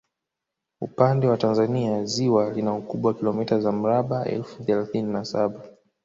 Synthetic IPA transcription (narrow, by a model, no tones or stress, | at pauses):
upandɛwatanzaniaziwalinaukuɓwakilɔmitazam̩ɾaɓaʔɛ̰lfuθɛlaθininasaɓa